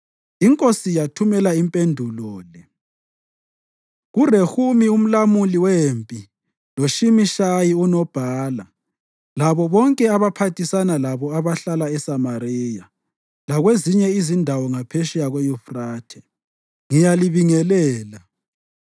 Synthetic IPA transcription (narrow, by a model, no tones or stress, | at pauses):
iŋkʼosijatʰumɛlaimpʼendʱulɔːlɛ | ɣurehumium̩lamuliwempʼi | loʃimiʃajiunɔb̥ʱaːla | laβɔβɔŋkʼɛaβapʰatʰisanalaβɔaβaɬalaɛsamariːja | laɣweziɲɛizindʱawɔŋapʰeʃijaɣojufraːtʰɛ | ŋijaliβiŋɛlɛːla